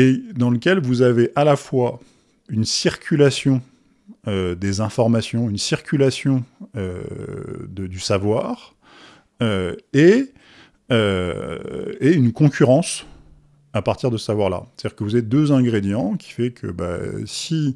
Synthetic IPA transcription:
ed̪ɑ̃ləkʲɛlvuzaveʔalafwa | ynsiʁkʲʰylasjɔ̃ | ød̪ezɛ̃fɔʁmasjɔ̃ynsiʁkʲylasjɔ̃ø̰ | d̪əd̪ysavwaːʁ | øe | ø | eynkɔ̃kʲʰyʁɑ̃s | apaʁt̪iʁd̪əsə̥savwaʁla̰st̪ad̪̥ʲiʁkəvuzaved̪øzɛ̃ɡʁed̪jɑ̃kʲʰi̥fɛkʰə̰ba̰si

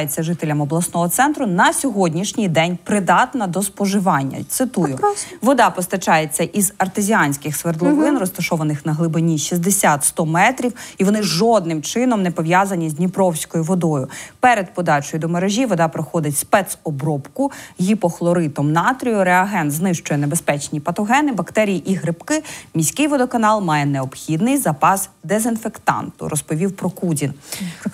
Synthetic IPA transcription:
jet͡sʲːɐʒɪt̪elʲːɐmɔblˠɐsnɔɦɔt̪sɛnt̪ɾʊnɐsʲɔɦɔdʲnʲiʃnʲɪjd̪ɛnʲpɾɪd̪ɑt̪nɐd̪ɔspɔʒɪʋɑnʲːɐ̰t̪sɪt̪ujʊʋɔd̪ɑpɔst̪ɐt͡ʃɑjet͡sʲːɐʔizɐrt̪ɪzʲianʲsʲkɪxsʋerd̪lˠɔʋɪnrɔst̪ɐʃɔʋɐnɪxnɐɦlˠɪbɪnʲiʃizd̪esʲat̪st̪ɔmɛt̪ɾʲiwiʋɔnɪʒɔd̪̚nɪmt͡ʃɪnɔmnɛpɔʋʲjazɐnʲizʲdʲnʲipɾɔwsʲkɔjʊʋɔd̪ɔjʊpɛɾɛd̪̚pɔd̪ɑt͡ʃɔjʊd̪ɔmɐɾeʒʲiʋɔd̪ɑpɾɔxɔd̪ɪtʲspɛt̪sɔbɾɔpkʊɦʲipɔxlˠɔɾɪt̪ɔmnɑt̪ɾʲijʊɾɛɐɦɛnznɪʃt͡ʃʊjɛnebespɛt͡ʃnʲipɐt̪ɔɦɛnɪbɐkt̪ɛɾʲijiʔiɦɾɪpkɪmʲisʲkɪjʋɔd̪ɔkɐnɑlˠmɑjɛneɔbxʲid̪nɪjzɐpɑsd̪ezɪnfekt̪ɑ̰nt̪ʊ̰ɾʔɔspɔʋʲiwpɾɔkudʲin

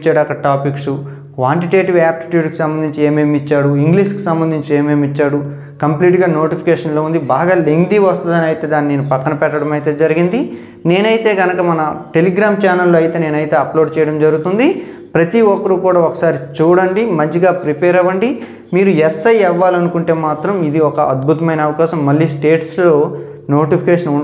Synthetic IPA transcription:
t͡ʃːaːɽuɐkɐɐʈaːpiksu | kʋaːɳʈiʈeːʈiʋaːp̚ʈi̥ʈjuːɖki̥sɐmbɐnd̪iɲt͡ʃieːmeːmit͡ʃːaːɽuiŋɡliːʂki̥sɐmbɐnd̪ʱiɲt͡ʃie̞ːme̞ːmit͡ʃːaːɽu | kɐmpliːʈɡaːno̞ːʈipʰi̥keːʂɐnloːund̪ibaːɡaːleŋd̪iʋɐst̪ɐnd̪ɐnɐjt̪eːd̪aːnːine̞ːnupɐkːɐnɐpɛʈːɐɽɐmɐjt̪e̞ːd͡ʒɐɾiɡind̪i | ne̞ːnɐjit̪e̞ːɡɐnɐkɐmɐnɐʈe̞liɡɾaːmt͡ʃaːnɐlːoːɐjit̪e̞ːne̞ːnɐjit̪e̞ːɐploːɖt͡ʃɛːjɐɽɐmd͡ʒɐɾuɡut̪und̪i | pɾɐt̪iɔkɐɾukuːɽaːɔkɐ̥saːɾit͡ʃuːɽɐɳɖimɐɲd͡ʒiɡaːpɾipɛːɾɐʋɐɳɖi | miːɾuɛsɐjɛʋːaːlɐnukuɳʈe̞ːmaːt̪ɾɐmid̪iɔkɐʔɐd̪̚bʱut̪ɐmɐjnɐɐʋɐkaːʃɐmːɐlːiːsʈe̞ːʈslo̞ː | no̞ːʈipʰikeːʂɐnuɳ

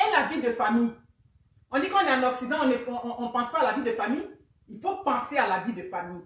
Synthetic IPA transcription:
ɛlavid̪əfamij | ɔ̃d̪ikɔ̃nɛãnɔksid̪ãɔ̃neɔ̃ʔɔ̃ʔɔ̃pɑ̃spaalavid̪əfamij | ilfopãsealavid̪əfamij

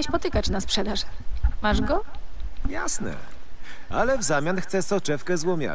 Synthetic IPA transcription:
ɛɕʲpɔt̪ɘkat͡ɕnaspʂɛd̪aʐmaʐɡɔja̰snɛ̰ | a̰lɛvzamʲjanxt̪sɛsɔt͡ʂɛfkɛzwɔmʲja̰

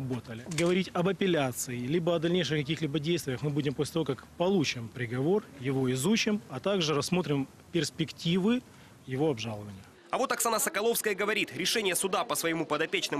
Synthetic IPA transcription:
bot̪əlʲɪɡəvɐɾʲitʲɐbɐpʲɪlʲat̪sɨɪlʲibəɐd̪ɐlʲnʲejʂɨxkɐkʲixlʲibədʲejst̪vʲɪjəxmɨbudʲɪmposʲlʲɪt̪ɐvokakpɐlˠut͡ɕɪmpɾʲɪɡɐvo̞rjɪvo̞ɪzut͡ɕɪmɐt̪aɡʐɨɾɐsːmo̞t̪ɾʲɪm | pʲɪrspʲɪktʲivɨ | jɪvo̞ɐbʐalˠəvənʲɪjʊ | ɐvo̞t̪ɐksanasəkɐlˠo̞fskəjəɡəvɐɾʲit̪ɾʲɪʂɛnʲɪjəsʊd̪apəsvəjɪmupəd̪ɐpʲet͡ɕnɨm

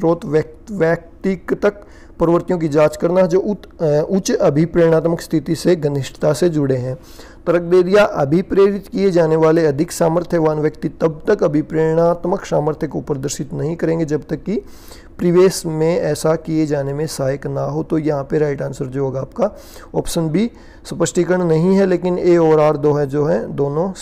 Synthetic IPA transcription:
ʃɾoːt̪ʋjək̚ | ʋjɛːk̚tt̪ɪkt̪ɐk | pɐɾəʋəɾt̪ijõk̬id͡ʒaːt͡ʃkɐɾnaɦɛd͡ʒoːʊ | ʊt͡ʃɐbʱipɾeːɾɽ̃aːt̪məkst̪ʰɪt̪iseɡɐnɪʃʈt̪ased͡ʒʊɽeɦɛ̃ː | t̪ɐɾək̚ʰd̪eːɾijaʔɐbʱipɾeːɾɪt̪kied͡ʒaːneʋaːleɐd̪ʱɪksaːməɾt̪ʰjəʋaːnʋjəkt̪it̪ɐb̚t̪ɐkɐbʱipɾeːɾɽ̃aːt̪məksaːməɾt̪ʰjəkoʊpɾd̪əɾʃɪt̪nɐɦĩkɐɾẽːŋɡed͡ʒɐbt̪ɐkːi | pɾɪʋeːsmẽɛːsakijed͡ʒaːnemẽsaːjəknaɦot̪ojɐɦãpeɾaːɪʈãːnsəɾd͡ʒooːɡaːp̚ka | ɔːpʃənbʱi | sɐpəʃʈikəɾɳ̃nɐɦĩɦɛleːkɪneɔːɾaːɾd̪oːɦɛd͡ʒoːɦɛd̪oːnõ

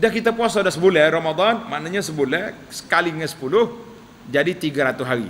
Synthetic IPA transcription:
dahkit̪apuasoadahsəbulaɾomad̪anmanaɲasəbulah | sə̥kaliŋasə̥pulʊh | d͡ʒadit̪iɡaɾat̪uɦaɾḭ

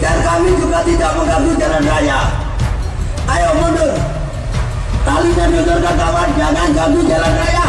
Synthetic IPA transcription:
darkamid͡ʒukat̪idaʔməŋɡabud͡ʒalanraja | ajomondə | talit̪ərd͡ʒut̪ʊrkarkawand͡ʒaŋanɡaɡud͡ʒalanraja

